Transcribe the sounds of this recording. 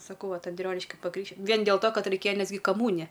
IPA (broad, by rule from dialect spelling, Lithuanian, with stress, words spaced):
sɐˈkɐʊ ˈʋɐt ɐnʲˈdʲrʲoːnʲɪʃʲkʲɪ pɐˈkrʲiːkʃ ˈʋʲiɛn dʲeːlˠ toː ˈkɐt rʲɛɪˈkʲeːjɛ ˈnʲɛs ɡʲɪ kɐˈmuːnʲɪjɛ